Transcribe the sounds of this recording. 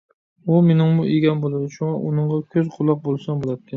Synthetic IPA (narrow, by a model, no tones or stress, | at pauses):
umenɪŋmʊiɡʲanbolˠad̪ɪʃʊŋɑʔʊnɨɴʁɑkʲʰɵzqʰʊlˠːɑq̚bolˠsɑnbolˠaɪ